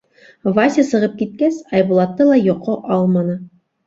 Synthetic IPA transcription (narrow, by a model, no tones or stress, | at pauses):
vasʲɪsɤ̆ʁɤp̚kit̪̚kæsɑjbulˠɑt̪ːɤlˠɑjŏqoʔɑlˠmɑnɤ